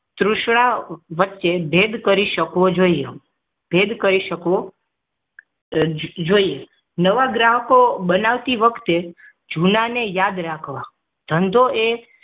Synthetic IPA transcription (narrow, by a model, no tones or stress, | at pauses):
t̪ɾʊʃɽ̃aʋətːʃebʱed̪kəɾiʃəkʋod͡ʒoie | b̥ʱed̪kəɾiʃəkʋo | d͡ʒoie | nəʋaɡɾaɦəkoɓənaʋt̪iʋəkʰt̪e | d͡ʒʱunanejad̪ɾakʰʋa | d̪̥ʱənd̪ʱoʔe